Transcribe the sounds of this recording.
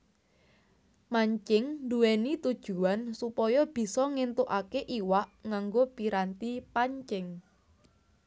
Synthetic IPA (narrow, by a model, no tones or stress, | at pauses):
maɲt͡ʃɪŋnd̪uwenit̪ud̥ʒ̥ṳansupɔjɔb̥i̤sɔŋent̪oʔakeʔiwaʔŋaŋɡopiɾant̪ipaɲt͡ʃɪŋ